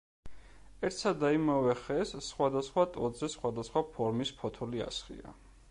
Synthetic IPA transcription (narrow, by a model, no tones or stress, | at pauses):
ɛɾt̪sad̪aimavɛχɛsːχwad̪asχwat̪ʼɔ̰d̪zɛsχwad̪asχwapʰɔɾmispʰɔt̪ʰɔlia̰sχḭa̰